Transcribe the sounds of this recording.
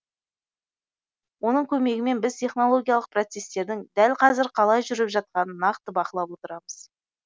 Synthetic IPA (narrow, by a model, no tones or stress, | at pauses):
wo̞nəɴkʲʰɵme̞ɡʲɪme̞nbɪzt̪ʲʰe̞χno̞lˠo̞ɡʲijalˠəq̚prot̪se̞st̪e̞ɾd̪ɪŋd̪ælqʰɑzɪɾqʰɑlˠɑjʒʏɾɪpʒɑt̪̚qɑnənːɑqt̪əbɑqəlˠɑpwo̞t̪əɾɑməz̥